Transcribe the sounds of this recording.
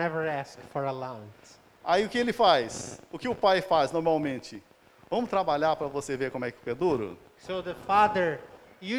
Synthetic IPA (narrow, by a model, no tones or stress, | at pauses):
ɛvə˞æskfɔɹəlãwn | aiʊkɪelɪfajsʊkɪʊpajfaznoɾmawmẽnt͡ʃɪ | vɐ̃mʊst̪ɾabaʎaɾpɾɐvosevekõmʊɛkɪʊped̪uɾʊ̰ | soðəfaðə˞ | ju